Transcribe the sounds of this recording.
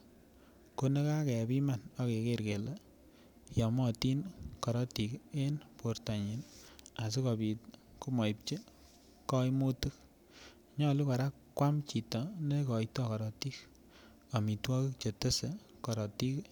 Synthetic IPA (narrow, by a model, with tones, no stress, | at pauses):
ko˦ne˦ka˦kɛ˨pi˦ma˦˨nɔ˦ke˨ke˦ɾke˨la˨ | jɔ˨mɔ˦ti˦nkɔ˨ɾɔ˦ti˨ke˦npo˨ɾta˨ɲi˨na˨s̬u˦kɔ˨bi˨t̚ | ku˦mɔ˨i˨p̚t͡ʃe˦ | kɔ˦jmo˦tɨ˦k̚ | ɲɔ˦lu˦ka˨ɾa˦kkːwa˦mt͡ʃi˨tɔ˨ne˦kɔ˨jtɔ˦kɔ˨ɾɔ˨ti˦k | a˨mi˨twɔ˦ki˦kt͡ʃe˨te˦se˨ | kɔ˨ɾɔ˨ti˦k